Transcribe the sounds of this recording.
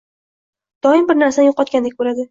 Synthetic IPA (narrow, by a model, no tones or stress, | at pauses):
d̪̥ɒɪmbɪɾnaɾsanjoqɒt̪kʲand̪ekʲboɾad̪ɪ